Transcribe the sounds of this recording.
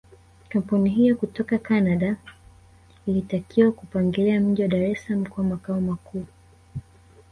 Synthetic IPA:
kam̩puniɦijɔkutɔkakanaɗa | ilitakiwakupaŋɡɛlɛam̩ʄiwaɗaɾɛslam̩kamakaɔmakuː

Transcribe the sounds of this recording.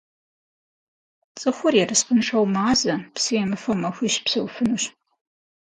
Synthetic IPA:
t͡sʼɨxʷʊrjɛrɨsqənʂɐwmaːzɐpsɨjɛmɨfɐwmɐxʷiːɕpsɐwfɨnuɕ

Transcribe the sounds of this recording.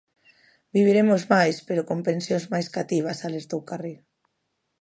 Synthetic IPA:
biβ̞iɾemozmajspeɾokompẽnsjonzmajskat̪iβ̞asaleɾt̪owkari

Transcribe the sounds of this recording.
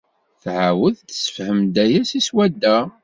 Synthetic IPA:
θʕawəðt̪sə̥fhəmd̪æjæsiswæd̪ːæ

